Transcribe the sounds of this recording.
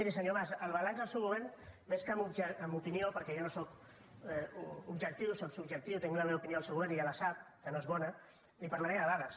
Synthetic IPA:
iɾisəɲoβasəlˠβalanzðəlsewɣuβeɾnmeskəmubd͡ʒəmupiniopəɾkɛʒonosok | ubʒək̚t̪iwsoksubʒək̚t̪iwt̪eŋɡlameaupinioalˠsewɣuβeɾnialasap̚kənoezβɔnə | lipaɾlaɾemðəβaɣas

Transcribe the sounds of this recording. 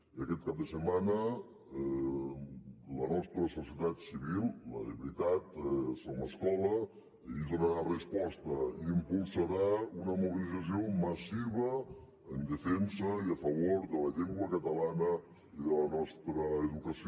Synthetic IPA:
iəkɛt̪̚kap̚d̪əsəmanə | lənɔst̪ɾəsusiət̪at̪siβilˠlə̰ḛβɾit̪at̪soməskɔlə | id̪unəɾarəspɔst̪əiːmpulˠsəɾaunəmuβilid͡zəs̬ioməsiβəː | nd̪əfɛnsəiəfəβ̞oɾðələʎeŋɡwəkət̪əlanə | iðələnɔst̪ɾəːðukəsi

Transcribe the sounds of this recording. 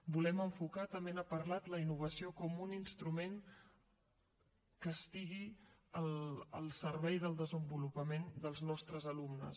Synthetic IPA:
bulɛməɱfukat̪əmenapəɾlat̪ləinuβ̞əsiokɔmuninst̪ɾumeŋ | kəst̪iɣiələlˠsəɾβɛjðəlˠd̪əzəmbulupəmend̪əlˠznɔst̪ɾəzəlumnə̰s

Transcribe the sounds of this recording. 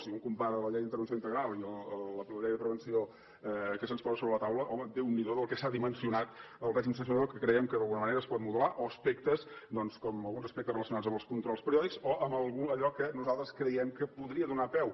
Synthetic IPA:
siuŋkumpaɾələʎɛjðint̪əɾβənsjoint̪əɣɾalˠiəələpluʎɛjðəpɾəβənsio | ɛkəsənspɔzəsoβɾələt̪awləʔɔməd̪ewnːiðoðəlˠkɛsaðimənsiunat̪ | əlˠrɛʒins̬əns̬unðokəkɾəɛmkəðəlˠɣunəməneɾəːspɔt̪muðulaʔoəspɛk̚t̪əsd̪ɔnskɔməlˠɣunzəspɛkt̪ərələsjunad͡zəmbəlˠskunt̪ɾɔlˠspəɾiɔðiksoʔəməlˠɣuəʎɔkənuzalˠt̪ɾəskɾəjɛmkəpuðɾiəðunapɛw

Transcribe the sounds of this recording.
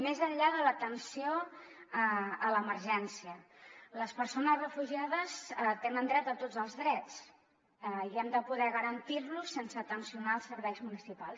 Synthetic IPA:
mezəʎʎaðələt̪ənsioəələməɾʒɛnsiələspəɾsonəzrəfuʒiaðəst̪enənd̪ɾɛt̪ət̪od͡zəlˠzðɾɛt͡s | iɛmd̪əpuðɛɣəɾənt̪irlusːensəːt̪ənsiunaəlˠsəɾβɛjzmunisipalˠs

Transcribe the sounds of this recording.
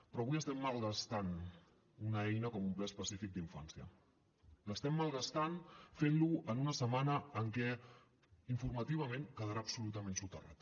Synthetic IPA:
pɾɔːβuijəst̪ɛmːalˠɣast̪an | unəɛjnəkɔmumplɛspəsifik̚d̪iɱfansiə̰ | ləst̪ɛmːalˠɣast̪anfenluənunəsəmanəːŋkɛ | iɱfurmət̪iβ̞əmenkəðəɾaːpsulut̪əmensut̪əra̰t̪

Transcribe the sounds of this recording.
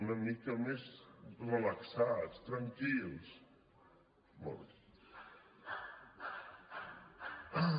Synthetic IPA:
nəmikɐmezrəlaksast̪ɾaŋkils | mɔ̰ɾ

